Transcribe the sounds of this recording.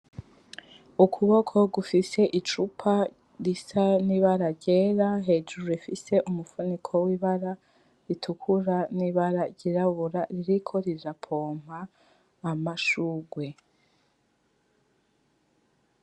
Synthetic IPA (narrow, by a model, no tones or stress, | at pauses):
ukʰuβo̞kʰo̞ɡufise̞ʔit͡ʃupʰa | ɾisaniβaɾaɾɟe̞ːɾaɦe̞ːd͡ʒuɾuifise̞ʔumufunikʰo̞wiːβaɾa | ɾitʰukʰuɾaniːβaɾaɾɟiɾaβuɾaɾiɾikʰoɾizapʰo̞ːm̥haː | maʃuːɡwe̞